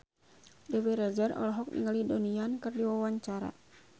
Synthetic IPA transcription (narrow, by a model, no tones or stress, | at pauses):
dɛwɛɾɛd͡ʒɛrɔ̰lɔɦɔk̚nḭŋalidoniankɨrdiwawaɲt͡ʃaɾa̰